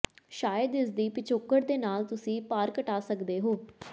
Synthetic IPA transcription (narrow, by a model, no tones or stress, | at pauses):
ʃaːjəd̪ɪsd̪iːpɪt͡ʃʰoːkːəɾd̪eːnaːlt̪ʊsĩːpaːɾkəʈaːsəkd̪eːɦoː